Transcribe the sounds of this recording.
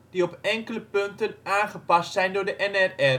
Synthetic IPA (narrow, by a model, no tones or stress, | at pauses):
d̥iɔpɛŋkələpøntənaːnχəpɑstsɛjndʊːrdəʔɛnɛrɛr